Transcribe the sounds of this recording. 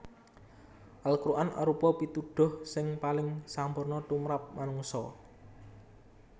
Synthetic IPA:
ʔalkɾuʔanʔa̰ɾupɔpit̪uɖ̥ɔ̤hsɪŋpalɪŋsampʊrnɔt̪umɾap̚manuŋsɔ

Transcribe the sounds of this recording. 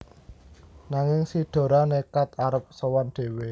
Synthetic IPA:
naŋɪŋsiɖ̪̥o̤ɾanekat̪̚aɾəp̚sowanɖ̪̥e̤we

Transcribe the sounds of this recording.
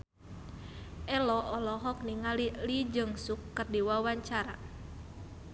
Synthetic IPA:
ʔɛlɔʔɔlɔɦɔk̚niŋalilid͡ʒəŋsukːərdiwawaɲt͡ʃaɾa

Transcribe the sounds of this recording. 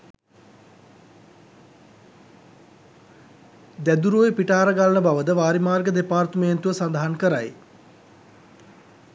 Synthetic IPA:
d̪æd̪uɾoːjepiʈaːɾəɡalənəbaʋəd̪əʋaːɾimaːrɡəd̪epaːrt̪əment̪uʋəsand̪aɦankəɾa̰j

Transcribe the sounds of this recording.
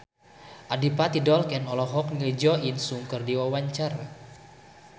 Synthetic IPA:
ʔadipat̪idɔlkɛnɔlɔɦɔk̚nilid͡ʒɔinsuŋkərdiwawaɲt͡ʃaɾa

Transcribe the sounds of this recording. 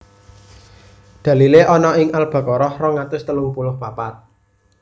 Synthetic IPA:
d̪̥ä̤lileʔɔnɔɪŋʔalb̥ä̤kɔɾɔhrɔŋat̪ʊst̪əlumpulʊhpapat̪̚

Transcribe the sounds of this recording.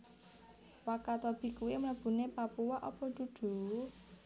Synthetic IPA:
wakat̪ɔb̥i̤kuwimləb̥ṳnepapuwaʔɔpɔ̤d̪̥ṳd̪̥ṳ

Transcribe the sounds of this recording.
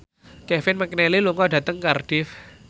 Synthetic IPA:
kɛfɪnməknɛliluŋɔɖä̤t̪əŋkarɖ̥ɪf

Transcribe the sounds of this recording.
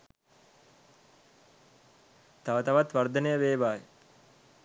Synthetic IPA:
t̪aʋət̪aʋat̪ʋard̪ənəjəʋeːʋaːjə

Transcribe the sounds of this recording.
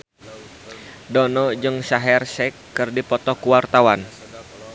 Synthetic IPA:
dɔnɔd͡ʒɨŋsaɦɛrsɛkːɨrdipɔt̪ɔkuwart̪awan

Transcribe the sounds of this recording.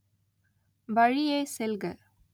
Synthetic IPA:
ʋɐɻieːsɛlɡɐ

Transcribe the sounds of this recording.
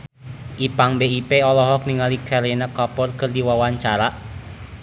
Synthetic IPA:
ʔipaŋbeipeɔlɔɦɔk̚niŋaliɡ̥aɾenəkapɔrkərdiwawaɲt͡ʃaɾaʔ

